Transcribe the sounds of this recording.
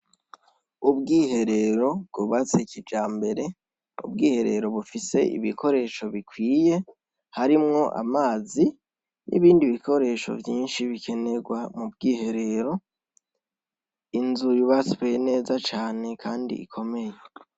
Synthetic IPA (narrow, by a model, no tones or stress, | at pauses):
ubɡiːhe̞ɾe̞ɾo̞bɡuβat͡secʰid͡ʒaːmbe̞ɾe̞ | ṵb̚ɡiːhe̞ɾe̞ɾo̞βufise̞ʔḭβikʰo̞ɾe̞ːʃo̞βikwiːje̞ | haɾimŋo̞ʔa̰maːzi | nʔḭβiːndiβiko̞ɾe̞ːʃo̞̰vjiːnʃiβikʰe̞ne̞ɡwamubɡiːhe̞ɾe̞ɾo̞ | inzuɾiβasiβejene̞ːzat͡ʃaːne̞kʰaːndḭḭkʰo̞me̞je